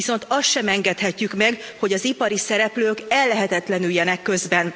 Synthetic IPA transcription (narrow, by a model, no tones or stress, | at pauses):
iso̞nt̪ɒst̪ʃɛmɛŋɡɛt̪hɛcːykmɛɡho̞ɟɒzipɒɾisɛɾɛpløːkɛlːɛɦɛt̪ɛt̪lɛnyljɛnɛkːø̞zbɛn